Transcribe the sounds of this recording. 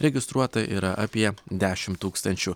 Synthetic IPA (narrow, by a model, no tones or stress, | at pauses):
ɾʲɛɡʲɪst̪ɾuɔt̪ɐʔḭːɾɐʔɐpʲiɛd̪ʲæːʃʲɪmt̪uːkst̪ɐnʲt͡ʃʲʊ